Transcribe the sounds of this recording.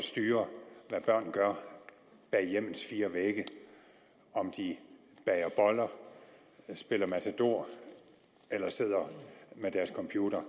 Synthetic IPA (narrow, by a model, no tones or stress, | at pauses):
sd̥yːɐʋæb̥ɶɐ̰nɡ̥ɶɐ | b̥ɛːjem̰ð̩ˠsfiːɐʋeɡ̥ə | ɒ̽md̥i | b̥ɛɪɐb̥ɒ̽lɐ | sb̥e̝l̰ɐmæt͡sʰed̥o̝ɐ̰ | elɐse̝ð̞̰ˠɐmed̥æɐskʰɒ̽mpʰjuːɾ̥ɐ